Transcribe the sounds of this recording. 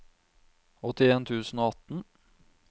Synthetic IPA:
ɔt̪ɪeːnt̪ʰʉːsn̩oːɑt̪n̩

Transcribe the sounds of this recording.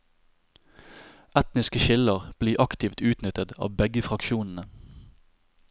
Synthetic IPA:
ʔɛt̪nɪskəʃɪləʁb̥liːʔɑkt̪ɪft̪ʉːt̪nʏt̪ət̪ɑ̰ːʋbɛɡəfʁɑkʃuːnn̩ə

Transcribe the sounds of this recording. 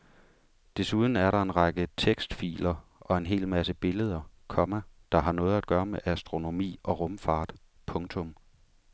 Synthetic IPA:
d̥e̝suð̞ˠn̩æɐɾɑ̈e̝nʁɑ̈ɡ̥ət͡sʰeɡ̥sd̥fḭːlɐʔɒ̽e̝nɦe̝̰ːlmæsəb̥e̝ləð̞ˠɐkʰɒ̽mæd̥ɑ̈ɦɑ̈nɔ̽ːð̩ˠæd̥ɡ̥ɶːɐmeʔæsd̥ʁo̝no̝mḭːʔɒ̽ʁɔ̽mfɑ̈ːd̥ | pʰɔ̽ŋt͡sʰɔ̽m

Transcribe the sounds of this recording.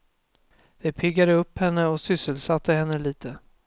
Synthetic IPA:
d̪̥ɛpʰɪɡːad̪əɵpːhɛnːəɔsʏsːəlsat̪ʰːəhɛnːəliːt̪ʰə

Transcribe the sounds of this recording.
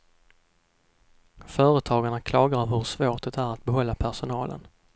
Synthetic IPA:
fœːɾət̪ʰɑːɡaɳakʰlɑːɡaɾɔvɦɵɾʂvoːʈɛt̪æɾat̪̚bɛɦɔlːapʰæʂʊnɑːlʔə̰n

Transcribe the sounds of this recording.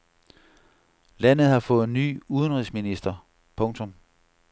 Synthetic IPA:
læn̰ð̞̩ˠhɑ̈fɔ̽ːð̩ˠny̰ːuðˠənʁisminisd̥ɐ | pʰɔ̽ŋt͡sʰɔ̽m

